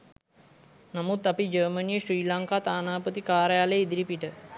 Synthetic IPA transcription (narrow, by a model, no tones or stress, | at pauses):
namut̪apid͡ʒəːmənijəɕriːlaŋkaːt̪aːnaːpət̪ikaːɾəjaːleid̪iɾipiʈə